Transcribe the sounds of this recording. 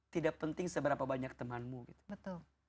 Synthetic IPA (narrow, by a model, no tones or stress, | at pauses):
t̪idaʔ̚pənt̪ɪŋsəbəɾapabaɲak̚t̪əmanmuɡit̪u̥bət̪ʊl